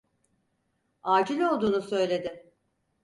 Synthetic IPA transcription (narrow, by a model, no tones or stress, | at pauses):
aːd͡ʒilʲo̞lˠd̪uːnusø̞jlʲe̞d̪ɪ